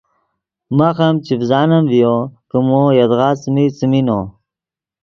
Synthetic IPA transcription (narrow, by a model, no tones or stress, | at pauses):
maxamt͡ɕifzɑːnɐmvijokəmojɐd̪ɣɑːsmisimino